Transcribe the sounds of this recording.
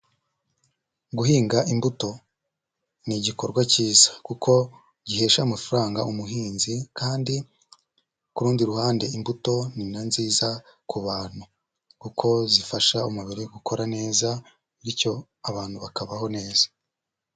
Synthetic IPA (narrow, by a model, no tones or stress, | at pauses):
ɡuɦiːŋɡaʔimbuto̞ | niɟiko̞ɾɡwaciːzḁkukʰo̞ | ɟihe̞ːʃamafaɾaːŋɡaumuɦiːnzikʰaːndi | kuɾuːndiɾuhaːnde̞imbuto̞ninanziːzakuβaːn̥hu | kukʰo̞zifaʃaumuβiɾeɡukʰo̞ɾane̞ːza | ɾico̞ | aβaːn̥huβakaβaho̞ne̞ːzḁ